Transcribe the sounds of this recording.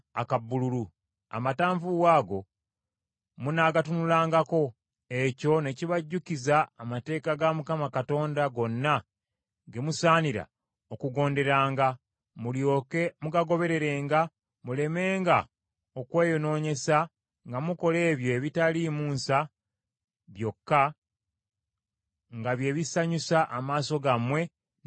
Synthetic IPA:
a̰kabːululu | a̰mataːɱvuwaːɡo̞ | munaɡatunulaːŋɡako̞ | e̞co̞ne̞ciβaɟːucizaːmate̞ːkaɡamukamakato̞ːndaɡo̞nːa | ɡe̞musaːniɾa̰ | o̞kuɡo̞ːnde̞ɾaːŋɡa | mumuɡaɡo̞βe̞ɾe̞ɾe̞ːŋɡa | mule̞me̞ːŋɡa | okweːjono̞ːɲe̞sa | ŋɡamuko̞le̞ːβjo̞eβitalimuːnsa | βjo̞kːa | ŋɡaβje̞ːβisaɲusaʔamaːso̞ɡamwe̞

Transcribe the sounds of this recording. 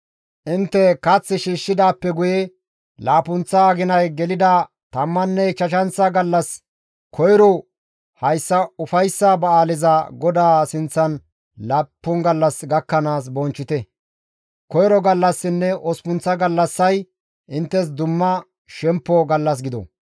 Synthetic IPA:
ʔɪnt̪ːɛkɐt͡sːɪʃiːʃːɪd̪aːpːɛɡʊjɛ | laːpʊnt͡sːɐːɡɪnɐjɡɛlɪd̪ɐ | t̪ɐmːɐnːɛt͡ʃɐʃɐnt͡sːɐɡɐlːɐs | kʰɔjɾɔ | hɐjsːɐʊfɐjsːɐbɐaːlɪzɐɡɔd̪aːsɪnt͡sːɐn | laːpːʊnɡɐlːɐsɡɐkːɐnaːs̬bɔnt͡ʃːɪt̪ɛ | kɔjɾɔɡɐlːɐsːɪnːɛʔɔspʊnt͡sːɐɡɐlːɐsːɐj | ʔɪnt̪ːɛs̬d̪ʊmːɐ | ʃɛmpːɔɡɐlːɐs̬ɡɪd̪ɔ̰

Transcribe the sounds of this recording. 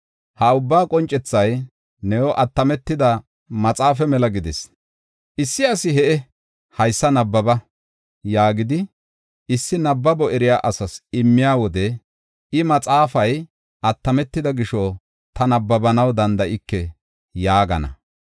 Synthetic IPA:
hɐʊbːaːkʼɔnt͡ʃʼːɛt͡sːɐj | nɛwɔʔɐt̪ːɐmɛt̪ːɪd̪ɐ | mɐt͡sʼaːfɛmɛlɐɡɪd̪ɛs | ʔɪsːɪɐsɪɦɛʔɛ | hɐjsːɐnɐbːɐbɐ | jaːɡɪd̪ɪ | ɪsːɪnɐbːɐbɔɛɾɪjaːʔɐsɐsɪmːɪjaːwɔd̪ɛ | ɪmɐt͡sʼaːfɐj | ʔɐt̪ːɐmɛt̪ːɪd̪ɐɡɪʃɔ | t̪ɐnɐbːɐbɐnɐwd̪ɐnd̪ɐʔɪkːɛ | jaːɡɐ̰nɐ̰

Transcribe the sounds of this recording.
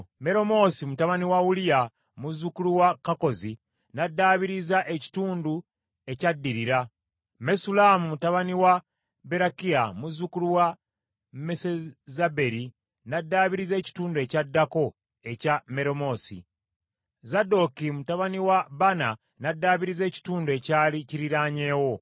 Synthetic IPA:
me̞ɾo̞mo̞simutaβaniwaulija | muzːukuluwakako̞zi | nadːaːβiɾizaʔeci̥tuːndu | e̞cadːiɾiɾa | me̞sulamumutaβaniwa | be̞ɾakiamuzːukuluwa | mesezabe̞ɾi | nadːaːβiɾize̞ːci̥tuːndue̞ːcadːako̞ | e̞came̞ɾo̞mo̞ːsḭ | zado̞kimutaβaniwabana | nadːaːβiɾize̞ːci̥tuːndue̞caːliciɾiɾaɲe̞ːwo̞

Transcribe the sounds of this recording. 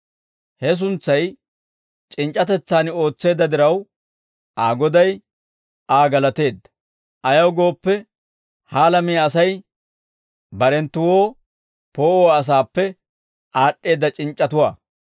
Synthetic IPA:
hɛs̬ʊnt͡sːɐj | t͡ʃʼɪnt͡ʃʼɐt̪ɛt͡sːaːno̞ːt͡sːe̞ːd̪ːɐd̪ɪɾɐw | ʔaːɡɔd̪ɐj | aːɡɐlɐt̪e̞ːd̪ːɐ̥ | ʔɐjɐwɡo̞ːpːɛ | haːlɐmijɐsɐj | bɐɾɛnt̪ːʊwoː | po̞ːoːɐs̬aːpːɛ | ʔaːɗːe̞ːd̪ːɐt͡ʃʼɪnt͡ʃʼːɐt̪ʊwaː

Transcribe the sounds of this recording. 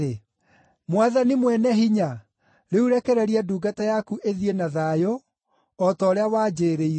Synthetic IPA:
e | mwaðanimwɛnɛɦiɲa | ɾeuɾɛkɛɾɛɾiaduːɡatajakuʔeðienaðaːjo | ɔtɔːɾeawaːd͡ʒeɾei

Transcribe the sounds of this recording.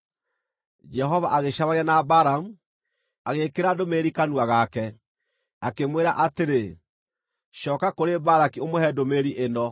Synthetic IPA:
d͡ʒɛɦɔvaʔaɣeʃaβaianabaɾamu | aɣekeɾadomeɾikanuaɣakɛ | akemweɾaʔateɾe | ʃɔːkakoɾebaɾakiomohɛdomeɾiʔenɔ

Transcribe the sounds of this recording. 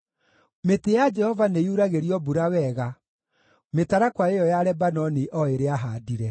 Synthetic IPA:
metejad͡ʒɛhɔvanejuɾaɣeɾiɔbuɾawɛɣa | metaɾakwaejɔjaɾɛbanɔniʔɔeɾeaɦaːdiɾɛ

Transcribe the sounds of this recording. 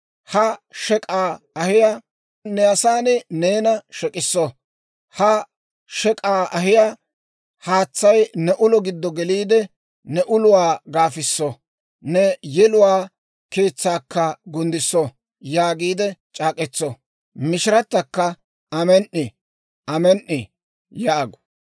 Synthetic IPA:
hɐʃɛkʼaː | ɐhɪja | nɛɐsaːnɛneːnɐʃɛkʼɪsːɔ | hɐ | ʃɛkʼaːɐɦɪja | haːt͡sːɐjnɛʔʊlɔɡɪd̪ːɔɡɛliːd̪ɛ | nɛʔʊlʊwaːɡaːfɪsːɔ | nɛjɛlʊwaː | ke̞ːt͡sːaːkːɐɡʊnd̪ɪsːɔ | jaːɡiːd̪ɛt͡ʃʼaːkʼɛt͡sːɔ | mɪʃɪɾɐt̪ːɐkːɐ | ɐmɛnʔɪ | ɐmɛnʔɪ | jaːɡɔ̥

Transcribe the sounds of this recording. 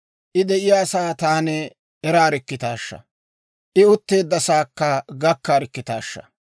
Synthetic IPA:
ʔɪd̪ɛʔɪjaːsaːt̪aːnɛ | ɛɾaːɾɪkːɪt̪aːʃːɐ̰ | ʔɪʊt̪ːe̞ːd̪ːɐsaːkːɐɡɐkːaːɾɪkːɪt̪a̰ːʃːɐ̰

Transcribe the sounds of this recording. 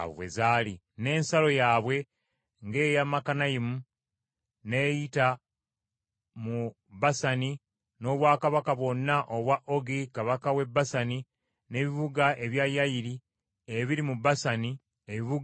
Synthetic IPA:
wḛzaːli | ne̞ːnsalo̞jaːβwe̞ | ŋɡe̞ːjamakanajimu | neːjita | mu | basani | no̞ːβwaːkaβakaβwo̞nːaʔoβwaʔo̞ɡikaβakawe̞bːasani | ne̞ːβiβuɡaʔe̞βjajajiɾi | eβiɾimubasani | eβiβuɡ

